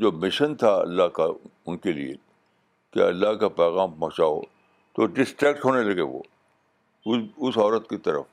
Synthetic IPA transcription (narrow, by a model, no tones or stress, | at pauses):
d͡ʒoːmɪʃənt̪ʰaɐ̰lːaɦkaʊnkelḭḛ | keɐ̰lːaɦkapɛːɣaːmpɔ̃ɦt͡ʃao̰ː | t̪oɖɪsʈɾɛːk̚ʈɦoːnelɐɡeʋo̰ː | ʊsɔːɾət̪kit̪ɐɾə̰f